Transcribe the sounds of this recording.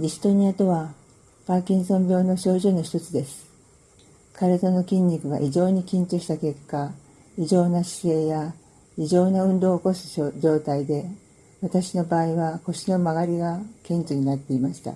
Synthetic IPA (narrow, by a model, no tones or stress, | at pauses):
ɾʲisɨ̥t̪o̞ɲ̟iat̪o̞βa | paːkʲĩɰ̃sõ̞mbʲo̞ːno̞ɕo̞ːʑɨno̞çi̥t̪o̞t͡sɨd̪e̞sɨ̥ | kaɾɯd̪ano̞kʲĩɲ̟ʲːikɯ̟ɡa̰ʔiʑo̞ːɲ̟ikʲĩɲ̟t͡ɕoːɕi̥t̪ake̞kːa | iʑo̞ːnaɕi̥se̞ːja | iʑo̞ːnaɯ̟̃nd̪o̞ːko̞sɨ̥d͡ʑo̞ːt̪aid̪e̞ | βat̪aɕino̞baːiβako̞ɕino̞maɡaɾʲiɡakẽ̞ɲt͡ɕɨɲ̟inat̪ːe̞imaɕi̥t̪a̰